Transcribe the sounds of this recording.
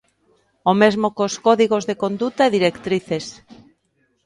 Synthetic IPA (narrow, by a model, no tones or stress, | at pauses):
omezmokoskɔðiɣ̞ozðekond̪ut̪aeðiɾekt̪ɾiθes